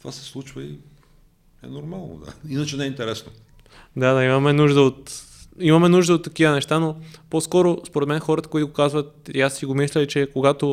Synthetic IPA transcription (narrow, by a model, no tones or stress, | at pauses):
t̪vasɛ̥slˠut͡ʃvəi | ɛ̰noɾmalˠno̰d̪a̰inət͡ʃɛnɛint̪ɛɾɛsno | d̪ad̪aimɐmɛnuʒd̪əot̪ | imɐmɛnuʒd̪əot̪ːɐkivənɛʃt̪anoposkɔɾospoɾɛt̪mɛnxɔɾət̪ə̥koit̪oʊɡokazvət̪iasiɡomislʲɛit͡ʃɛkoɡat̪o